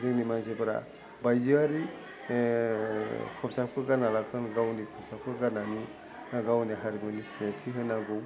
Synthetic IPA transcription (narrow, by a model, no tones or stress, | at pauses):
zeŋnimanzebɾa̰ | bajziaɾi | kʰɔpsap̚kʰɯɡanalakʰɯnɡawnikʰɔpsap̚kʰɯɡanani | naɡawniɦaɾimɯnisnetʰiɦɯnaɡɔw